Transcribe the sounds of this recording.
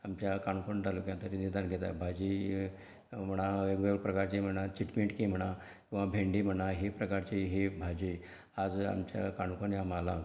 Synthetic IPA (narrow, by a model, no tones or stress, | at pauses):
amt͡ɕjakaɳkoɳɖalukjat̪əɾinid̪anɡʱet̪a̰bʱad͡ʑi | m̤əɽ̃aeɡʋeɡɽpɾəkaɾt͡ɕim̤əɽ̃at͡ɕiʈmẽɳʈkĩm̤əɽ̃a | kĩw̃ʋabʱeɳɖim̤əɽaɦipɾəkaɾt͡ɕiɦibʱad͡ʑi | ad͡za̰mt͡ɕja̰kaɳkonjamala